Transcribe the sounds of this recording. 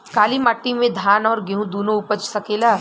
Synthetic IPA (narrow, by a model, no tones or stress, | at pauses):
kaːlimaʈːimẽd̪ʱaːnɔːɾɡeɦũd̪oːnõʊpət͡ʃsɐkeːlaː